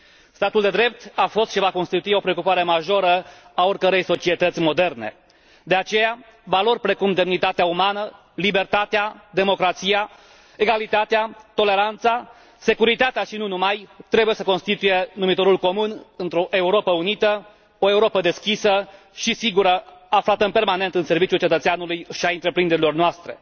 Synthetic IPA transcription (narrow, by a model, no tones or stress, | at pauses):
st̪at̪uld̪e̞d̪ɾe̞p̚t̪afo̞st̪ʃivako̞nst̪it̪uio̞pɾeo̞kupaɾe̞maʒo̞ɾəao̞rkəɾe̞jso̞t͡ʃie̞t̪ət̪sʲmo̞d̪e̞rne̞̰ | d̪e̞at͡ʃe̞ja | valo̞rʲpɾe̞kumd̪e̞mnit̪at̪eaumanə | libe̞rt̪at̪ead̪e̞mo̞kɾat̪sija | eɡalit̪at̪eat̪o̞le̞ɾant̪sa | se̞kuɾit̪at̪eaʃinunumajt̪ɾe̞buje̞səko̞nst̪it̪uje̞numit̪o̞ɾulko̞munɨnt̪ɾo̞ʔe̞uɾo̞pəunit̪ə | oe̞uɾo̞pəd̪e̞skʲisə | ʃisiɡuɾəaflat̪əɨmpe̞rmane̞nt̪ɨnse̞rvit͡ʃjult͡ʃe̞t̪ət̪seanulujʃiaɨnt̪ɾe̞pɾind̪eɾilo̞rnoast̪ɾe̞̰